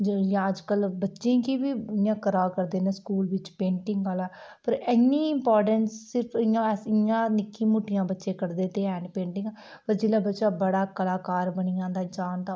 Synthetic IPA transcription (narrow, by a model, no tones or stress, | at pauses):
d͡ʒəjãːəd͡ʒkəlbətːʃẽːkiːʋiːɪjãːkəɾaːkəɾd̪eːnẽːskuːlʋɪt͡ʃpẽːɳʈɪ̃ŋɡaːlaːpəɾɛːniːɪmpaːɾʈənsːɪɾpʰɪjãɪjãːnɪkːĩːmuːʈːɪjãːbətːʃeːkəɽd̪eːt̪eːɛːɳɖpẽːɳʈɪ̃ŋɡpəɾd͡ʒɪːlaːbətːʃaːbəɽaːkəlaːkaːɾbəɳijãːd̪aːd͡ʒaːnd̪ãː